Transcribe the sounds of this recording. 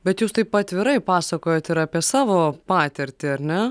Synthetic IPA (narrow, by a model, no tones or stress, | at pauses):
bʲɛt̪juːst̪ɐɪpɐt̪ʲʋʲɪɾɐɪpɑːsɐkoːjoːt̪ɪɾɑːpʲiɛsɑːʋoːpɑːt̪ʲɪɾʲt̪ʲɪɐɾʲnʲɛ